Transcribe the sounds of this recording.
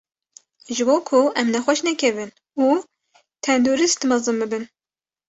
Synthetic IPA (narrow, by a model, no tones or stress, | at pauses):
ʒɨboːkʰʊʔɛmnɛxʷɛʃnɛkʲʰɛvɨn | uː | t̪ʰɛnd̪oɾist̪mɑzɨnbɨbɨn